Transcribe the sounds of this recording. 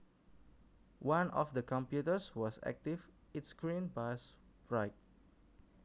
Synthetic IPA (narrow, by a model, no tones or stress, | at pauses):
wãnɔfdəkɔ̃mpjutəswɔsɛ̰k̚tif | itskɹĩnpasbɹaɪt̚